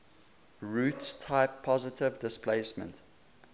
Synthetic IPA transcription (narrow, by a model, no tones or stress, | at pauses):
ɹuːtstʰaɪpʰːɔzɪtɪvdɪspʰleɪsmə̰̃nt